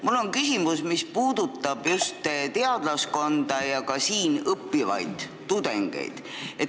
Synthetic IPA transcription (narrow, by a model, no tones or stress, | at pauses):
mulːo̞ŋkysimusmispuːd̪̥ut̪ːˑɑb̥just̪t̪e̞ɑd̪̥lɑsko̞nd̪̥ɑjɑkɑsiːnɤpːivɑ̰jd̪̥ːud̪e̞ŋɡ̥ḛjd̪̥ | e